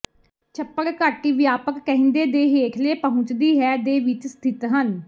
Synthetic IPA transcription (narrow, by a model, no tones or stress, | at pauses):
t͡ʃʰəpːəɾkaːʈiːʋjaːpəkːəɦɪ̃nd̪eːd̪eːɦeːkʰleːpəɦʊ̃t͡ʃd̪iːɦɛːd̪eːʋɪt͡ʃst̪ʰɪt̪ɦən